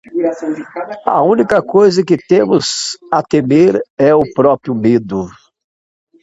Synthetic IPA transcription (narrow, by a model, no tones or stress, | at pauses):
uɾɐɐ̰ũnikɐkojzɐkɪt̪ẽmʊzɐt̪emeɾɛʊpɾɔpɾiʊmed̪ʊ